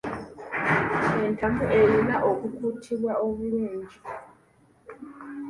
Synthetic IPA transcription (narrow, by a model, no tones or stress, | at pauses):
entamuʔejinaʔokukutʰiβwaoβuluːɲɟi